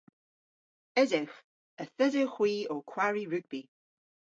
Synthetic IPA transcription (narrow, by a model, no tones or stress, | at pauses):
ɛdɪx | əθədəxwiːokʰwaɹiɹʉɡ̥̚b̥i